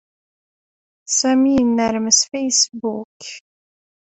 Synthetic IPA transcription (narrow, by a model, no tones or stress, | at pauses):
sɛmiːnæɾməsfɛjsbuːk